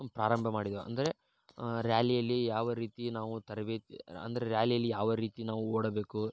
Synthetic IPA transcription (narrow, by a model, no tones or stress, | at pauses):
pɾaːɾɐmbʱɐmaːɽid̪ɐɐ̰nd̪ɐɾe̞ | ɾjaːlijɐlːijaːʋɐɾiːt̪inaːʋut̪ɐɾɐbeːt̪iɐ̰nd̪ɐɾeɾjaːlijɐlːijaːʋɐɾiːt̪inaːʋuoːɽɐbe̞ːku